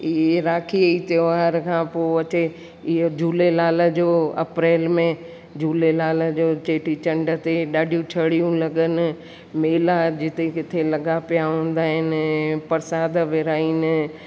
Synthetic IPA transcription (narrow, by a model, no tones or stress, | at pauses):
ɪɦeɾaːkʰiit̪ʰijoʋaːəɾkʰãːpoːʋɐt͡ɕe | ɪɦod͡ʑuːlelaːlə̆d͡ʑoːɐ̰pɾeːlmẽ | d͡ʑuːlelaːlə̆d͡ʑoːt͡ɕeːʈʰit͡ɕɐ̃ɳɖə̆t̪eɗaːɖʱijũt͡ɕʰɐɽijũlɐɠənɪ̆ | meːlad͡ʑɪt̪ʰekɪt̪ʰelɐɡapijaɦũːn̆d̪aːɦɪnɪ̃pɐɾsaːd̪ʋɪɾaːiːnɪ̆